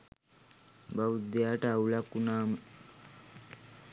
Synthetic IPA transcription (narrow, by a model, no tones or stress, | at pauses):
bawud̪ejaːʈəaulakːunaːmə